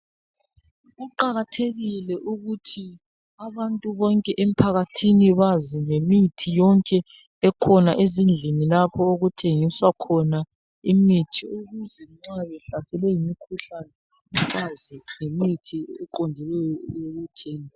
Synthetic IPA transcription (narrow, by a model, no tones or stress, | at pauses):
ɣuǃaɣatʰeɣilɛʔuɣutʰi | aβantʼuβɔŋkʼɛʔem̩pʰaɣatʰiniβaziŋemitʰijɔŋkʼɛː | kʰɔnaʔezind͡ɮʱinilapʰɔoɣutʰeŋiswakʰɔna | imitʰioɣuzɛŋ͡ǁaβɛɬasɛlɛjimikʰuɬanɛ | uǁaziŋemitʰiɛǃondʱilɛjɔjoɣutʰɛːn